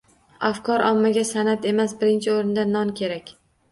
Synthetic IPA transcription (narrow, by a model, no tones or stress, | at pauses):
afkʰɒɾʔɒmːaɡʲasanat̪e̞masbɪɾɪnt͡ʃʰɪoɾɪnd̪anːɒnkʲʰe̞ɾakʲ